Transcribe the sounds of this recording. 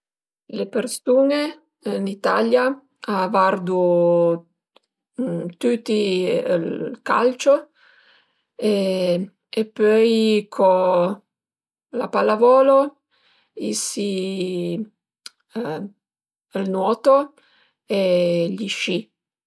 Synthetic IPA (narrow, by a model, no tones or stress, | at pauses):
lepersuːne | nit̪alja | vard̪u | t̪ut̪ːilka̰lt͡ʃo | e | epːɔjkʰɔ | la̰palːavɔːlo | isi | lnwɔːt̪o | eʎiʃi